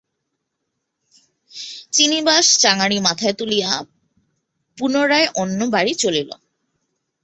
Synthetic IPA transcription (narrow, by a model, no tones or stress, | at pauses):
t͡ɕinibaʃt͡ɕaŋaɽimat̪ʰaet̪ulija | punoɾaeʔonːobaɽit͡ɕolilo̰